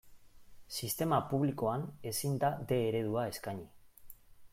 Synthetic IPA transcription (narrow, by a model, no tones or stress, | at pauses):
sist̪e̞mapuβliko̞ane̞sind̪ad̪e̞ːɾe̞ðuae̞skaɲi